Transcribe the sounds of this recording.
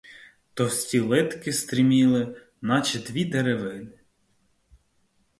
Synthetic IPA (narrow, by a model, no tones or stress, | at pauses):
t̪ɔsʲtʲilˠɪt̪kɪst̪ɾʲɪmʲilˠɪ | nɑt͡ʃed̪ʋʲid̪eɾeʋɪnɪ